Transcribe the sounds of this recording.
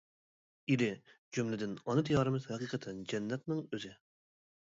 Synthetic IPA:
id̪ɪ | d͡ʒumlɪd̪ɪnɑnɨt̪ʰijɑːɾɨmɨzhɛqiːqʰət̪ʰɪnd͡ʒɛnːɛt̪̚nɪŋøzɪ

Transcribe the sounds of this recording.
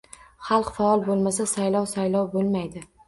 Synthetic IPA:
χɑlˠqfaɒlˠbolˠmasasajlɒwsajlɒwbolˠmajd̪ɪ

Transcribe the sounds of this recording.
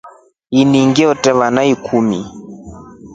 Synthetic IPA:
iniŋɡɛɔtɛβanaikʰumi

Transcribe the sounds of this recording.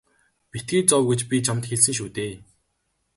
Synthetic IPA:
pit̪̚ɡiːt͡sɔwɡĕt͡ɕpʲit͡ɕʰamt̪xeɮs̬ɘ̆ŋʃut̪eː

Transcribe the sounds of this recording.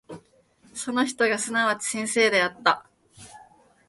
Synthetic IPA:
so̞no̞çi̥t̪o̞ɡasɨnaβat͡ɕi̥sẽ̞ɰ̃se̞ːd̪e̞at̪ːa

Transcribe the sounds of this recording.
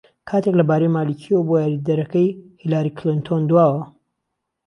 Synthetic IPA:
kʰaːt̪eklɐbaːɾejmaːlicʰiwwbojaːɾid̪ɐɾɐkɐjhilaːɾikʰlint̪ʰond̪waːwɐ

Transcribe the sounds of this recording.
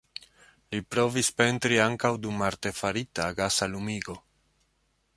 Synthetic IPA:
lipɾo̞vispe̞ntɾiaŋkawdumaɾte̞faɾitaɡasalumiɡo̞

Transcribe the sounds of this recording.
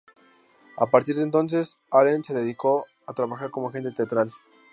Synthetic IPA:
a̰paɾt̪iɾðent̪̬o̞ns̬e̞s | alense̞ðeðiko̞ | at̪ɾaβaxaɾko̞moxe̞nt̪et̪eat̪ɾal

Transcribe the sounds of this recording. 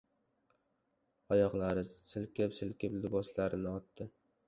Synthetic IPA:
ɒjɒqlˠaɾɪsɪlkʲɪpsɪlkʲɪplɪbɒslaɾɪnɪɒt̪ːɪ

